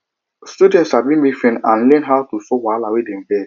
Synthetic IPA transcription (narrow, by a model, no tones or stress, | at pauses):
stjudɛ̃ntshabĩnmifɛ̃nãnlɛ̃nɦawtusɔwalawedɛ̃mbɛ